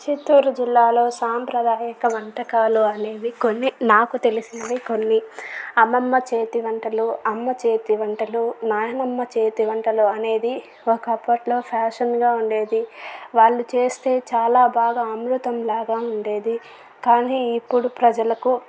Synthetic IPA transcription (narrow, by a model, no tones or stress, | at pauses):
t͡ʃit̪ːuːɾud͡ʒilːaːlo̞ːsaːmpɾɐd̪aːjɐkɐʋɐɳʈɐkaːluɐne̞ːd̪iko̞nːinaːkut̪e̞lisinɐʋiko̞nːiɐmːɐmːɐt͡ʃe̞ːt̪iʋɐɳʈɐluɐmːɐt͡ʃeːt̪iʋɐɳʈɐlunaːjɐnɐmːɐt͡ʃe̞ːt̪iʋɐɳʈɐluɐne̞ːd̪i | okɐpːɐʈlo̞ːpʰaːʂɐnɡaːuɳɖe̞ːd̪iʋaːɭːut͡ʃe̞ːst̪e̞ːt͡ʃaːlaːbʱaːɡaɐmɾut̪ɐmlaːɡaːuɳɖe̞ːd̪i | kaːniːipːuɽupɾɐd͡ʒɐlɐku